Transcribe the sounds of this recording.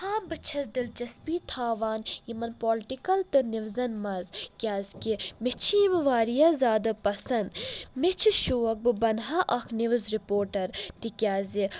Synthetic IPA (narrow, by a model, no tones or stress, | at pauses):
haːbɨt͡ʃʰɐzd̪ilt͡ʃɐspiːt̪ʰaːʋaːnjimɐnpoːlʈikɐlt̪ɨniʋzɐnmɐzkʲaːzkimɪt͡ʃʰimʋaːɾijɐzaːd̪ɐpɐsɐnd̪mit͡ʃʰiʃuɐk̚bɨbɐnɦɐʔɐkʰniʋɨzɾipoːɾʈɐɾt̪ikʲjaːzi